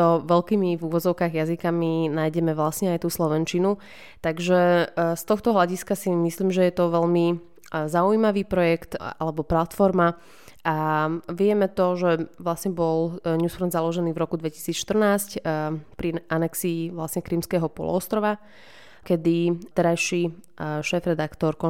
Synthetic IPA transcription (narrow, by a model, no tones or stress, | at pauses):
ɔʋɛlkiːmivuʋɔd͡zɔʊkaːɣjazikaminaːjɟɛmɛʋlasɲɛajt̪uːslɔʋɛnt͡ʃinu | t̪aɡʒɛst̪ɔxt̪ɔɦlaɟiskasimisliːmʒɛjɛt̪ɔʋɛʎmi | zauimaʋiːpɾɔjɛkt̪a̰lɛbɔplat̪fɔɾma | ʔaʋɪɛmɛt̪ɔʒɛʋlasɲɛbɔlɲuːsfɾɔnd̪zalɔʒɛniːvɾɔkud̪ʋɛci̥siːt͡sʃt̪ər̩naːscpɾiʔanɛksiːʋlasɲɛkɾimskɛːɦɔpɔ̰lɔ̰ɔst̪ɾɔʋa | kɛd̪it̪ɛɾajʃi | ʃɛːfɾɛd̪akt̪ɔɾkɔ